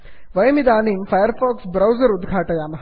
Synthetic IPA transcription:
ʋɐjmid̪aːniːmfajəɾfɔːksbɾɐwzəɾud̪ɡʱaːʈɐjaːmɐɦ

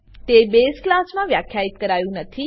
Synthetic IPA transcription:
t̪ebesklasmãʋjakʰjait̪kəɾajũnət̪ʰi

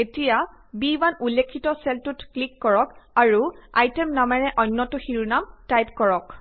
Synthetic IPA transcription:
etijabibanulːekʰːitɔsɛltutklikːɔɹɔkaɹua̰jtɛmnamaɹɛʔɔjnːɔtʊxiɹunamtajpkɔɹɔk

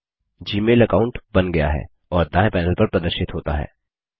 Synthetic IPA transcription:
d͡ʒiːmeːlɐkaːʊ̃ɳʈbɐnɡɐja̰ɦɛ̰ː | ɔːɾd̪ãːẽpɛːnəlpɐɾpɾɐd̪əɾʃɪt̪ɦoːt̪aɦɛ̰ː

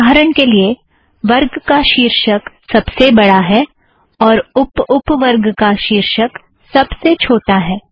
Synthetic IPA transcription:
aɦɾəɳ̃kelie | ʋɐɾɡkaʃiːɾʃək | sɐbsebɐɽaɦɛː | ɔːɾʊpʊpʋəɾɡkaʃiːɾʃək | sɐbset͡ʃʰoːʈaɦɛː

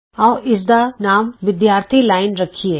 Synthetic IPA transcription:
ɔːʔɪs̬d̪anaːmʋɪd̪jaːɾt̪ʰilaːɪnɾɐkʰieː

